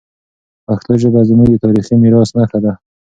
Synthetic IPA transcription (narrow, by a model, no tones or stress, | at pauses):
axt̪aʒəbazɪmud̪ət̪ɑɾiximiɾɑsnaxad̪a